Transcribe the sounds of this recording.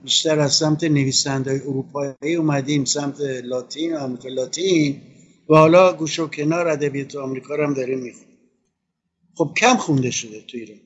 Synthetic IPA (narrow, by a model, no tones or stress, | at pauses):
biʃt̪æɾæzsæmt̪ʰene̞viːsænd̪ɒːjeoɾuːpʰɒːiːuːmæd̪iːmsæmt̪ʰelɒːt̪ʰiːnoamɾiːkʰelɒːt̪ʰin | væhɒːlɒːɡuːʃocʲʰe̞nɒːɾæd̪æbijɒːt̪ʰeɒmɾiːkʰɒːɾæmd̪ɒːɾimmːixuni | χo̞b̥̚cʰæmxund̪e̞ʃod̪e̞t̪ʰuiɾɒːn